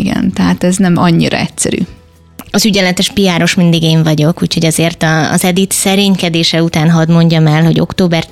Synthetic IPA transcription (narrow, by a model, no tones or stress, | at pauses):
ɡɛ̰nt̪ɛɦat̪ɛznɛmɒɲːḭɾɒ̰ɛcsɛ̰ɾy̰ː | ɒzyɟɛlɛt̪ɛʃpijaːɾo̞ʃmind̪iɡeːɱvɒɟo̞kuːcho̞ɟɒzeːrt̪ɒ̰ːzɛd̪it̪sɛɾeːɲkɛd̪eːʃɛut̪aːnɦɒd̪mo̞ɲɟɒmɛlɦo̞̰ɟo̞̰kt̪oːbɛr